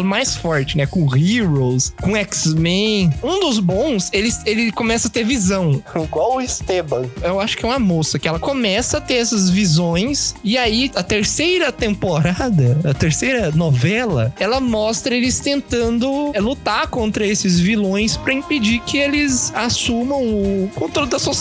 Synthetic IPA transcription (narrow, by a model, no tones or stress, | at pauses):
lɐmajsfɔɾt͡ʃɪnɛkõʁiɾowskõɛksmẽũd̪ʊzbõw̃selɪselɪkõmɛsɐt̪eɾvizɐ̃w̃iɡwawʊɪst̪ebɐ̃ewaʃʊ̥kɪɛũmɐmosɐkɪɛlɐkomɛsɐt̪eɾɛsɐzvizõj̃sɪaiɐt̪eɾsejɾɐt̪ẽmpoɾad̪ɐɐt̪eɾsejɾɐnɔvɛlɐ̰ɛlɐmɔst̪ɾɐelɪst̪ẽnt̪ɐ̃nd̪ʊlut̪aɾkõnt̪ɾɐesɪzvilõj̃spɾɐĩped͡ʒikɪelɪzasũmɐ̃w̃ʊkõnt̪ɾolɪd̪ɐso